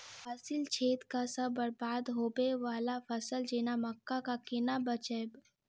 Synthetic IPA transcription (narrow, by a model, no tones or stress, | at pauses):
fasɪlt͡ʃʰeːt̪kasɐbɐɾbaːd̪ɦoːbeʋaːlafʰɐsəld͡ʒenamɐkːakakɪnabət͡ʃeb